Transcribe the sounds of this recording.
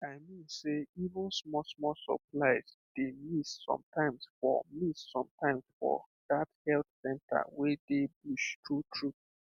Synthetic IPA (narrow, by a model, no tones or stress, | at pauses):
aɪmĩnseivʊ̃nsmɔsmɔsɔ̰plaɪz̥ | d̥emissɔ̰̃mtãɪ̃msfɔ̰missɔ̃mtãɪ̃msfɔ̰ | dathɛltsɛ̃nta̰wedebuʃtɹutʰɹup̚